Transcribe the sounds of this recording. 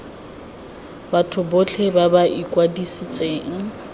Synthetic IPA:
batʰʊbot͡ɬʰebabaʔikʼwadisit͡sʼeːŋ̩

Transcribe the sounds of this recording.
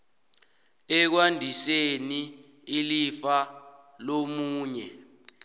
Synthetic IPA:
ɛk̬wandʱiseniː | lifa | lomuːɲɛ

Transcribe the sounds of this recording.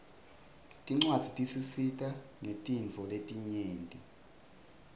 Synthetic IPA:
tʼiŋ͡ǀwad̥z̥ʱitʼisisikʼaŋetʼinvʱɔletʼiɲeːntʼi

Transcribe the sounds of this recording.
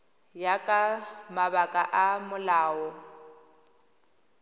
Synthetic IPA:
jakʼamaβakʼaʔamʊlaːɔ

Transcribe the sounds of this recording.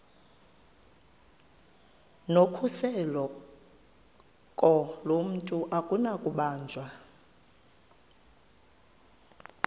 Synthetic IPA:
nokʰusɛlɔ | kʼɔlom̩tʼuʔakʼunakʼuɓaːnd͡ʒʱwa

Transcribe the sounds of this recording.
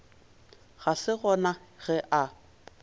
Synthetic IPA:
ɣasɪɣɔnaɣ̥ɛʔa

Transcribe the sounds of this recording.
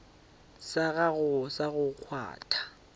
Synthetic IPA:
saɣaɣʊsaɣʊk͡xʰwa̰ːtʰḁ

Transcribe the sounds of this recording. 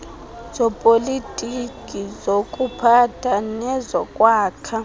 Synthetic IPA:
z̥ɔpʼolitʼikʼizokʼupʰatʰanɛzɔkʼwaːkʰa

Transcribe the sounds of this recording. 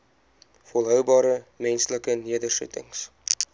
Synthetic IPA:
fɔlˠɦœwbɑːɾəmɛnsləkəniədərsṵtə̰ŋs

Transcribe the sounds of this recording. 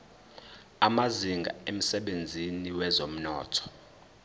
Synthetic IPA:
amaziŋɡʱa̰em̩sɛɓend͡zʱiniwɛzom̩nɔ̰ːtʰɔ̥

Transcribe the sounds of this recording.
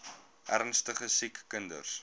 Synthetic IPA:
ʔærnstəχəsikːəndə̰rs

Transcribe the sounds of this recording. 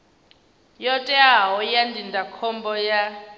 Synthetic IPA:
jɔtʼɛaɦɔjandindʱakʰɔmbɔja

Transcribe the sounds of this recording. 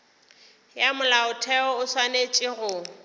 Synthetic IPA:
jamʊlaʊtʰɛɔʊswanet͡ʃʼɪrʊː

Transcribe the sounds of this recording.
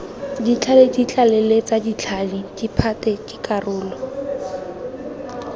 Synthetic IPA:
dit͡ɬʰaledit͡ɬʼalɛlet͡sadit͡ɬʰalɪd̥ipʰatɛkʼɪkʼarʊːlɔ

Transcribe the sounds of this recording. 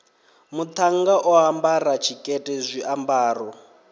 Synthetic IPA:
mut̪ʰaŋɡaʔɔɦambarat͡ʃʰikʼɛtʼɛzʷiʔambaːrɔ

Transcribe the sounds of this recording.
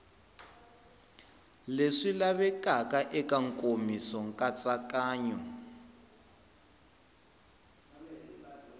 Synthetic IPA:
leʂilaβɛkakʼaʔɛkʼaŋkʼomisɔŋkʼat͡sʼakʼaːɲɔ

